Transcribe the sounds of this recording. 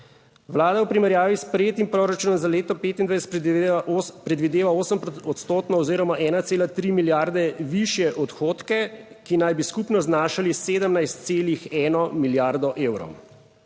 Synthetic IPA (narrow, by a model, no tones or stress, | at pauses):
ʋlaːd̪awpɾimɛɾjaːʋispɾɛjeːt̪impɾoːɾat͡ʃuːnɔmzaleːt̪ɔpeːt̪ind̪ʋajsɛ | pɾɛd̪ʋid̪eːʋaoːsəmɔt̪st̪oːt̪nɔɔziːɾɔmaʔɛːnat̪seːlat̪ɾimiljaːɾd̪ɛʋiʃjɛʔɔt̪xoːt̪kɛ | kinajbiskupnɔznaːʃaliseːd̪əmnajst̪seːlixɛːnɔmiljaɾd̪ɔʔeːwɾɔ̰w